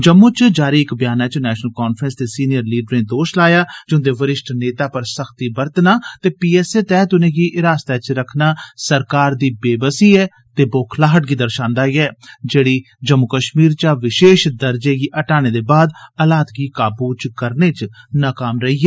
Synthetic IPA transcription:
d͡ʒəmːʊ̃ːt͡ʃd͡ʒaːɾiːɪkbjaːnaːt͡ʃnɛːʃnəlkaːnpʰɾənst̪eːsiːnɪjəɾliːɖɾɪ̃ːd̪oːʃlaːjaːd͡ʒʊ̃nd̪eːʋəɾɪʃʈʰneːt̪aːpəɾsəxʰt̪iːbəɾt̪naːt̪eːpiːɛːseːt̪ɛːt̪ʊnẽːɡiːʔɪɾaːst̪ɛːt͡ʃɾəkʰnaːsəɾkaːɾd̪iːbeːbəsiːɛː | t̪eːboːkʰlaːɦəʈ̚ɡiːd̪əɾʃãːnd̪aːiɛːd͡ʒeːɽiː | d͡ʒəmːʊkəʃmiːɾt͡ʃaːʋɪʃeːʃd̪əɾd͡ʒeːɡiːʔəʈaːñeːd̪eːbaːd̪əlaːt̪ɡiːkaːbuːt͡ʃkəɾneːt͡ʃ | naːkaːmɾəiːɛː

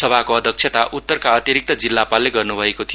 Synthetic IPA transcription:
sʌbʱakoʌd̪ʱjʌk̚t͡ʃʰet̪aʔʔut̪ːʌrkaʌt̪jiɾik̚t̪ʌd͡zilːapalːeɡʌrnubʱʌekot̪ʰijo

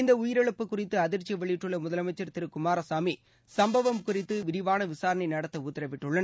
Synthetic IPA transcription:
ɪnd̪ɐʊjɪɾɐɭɯpːɯkːʊrɪt̪ːɯɐðɪɾt͡ʃːɪʋɐɭɪjʈːɯɭːɐmʊðɐlɐmɐɪt͡ʃːɐɾt̪ɪɾɯkʊmaːɾɐsaːmi | sɐmbɐʋɐmkʊrɪt̪ːɯʋɪɾɪʋaːnɐʋɪsaːɾɐɳɐɪnɐɽɐt̪ːɐʊt̪ːɪɾɐʋɪʈːɯɭːɐnɐ

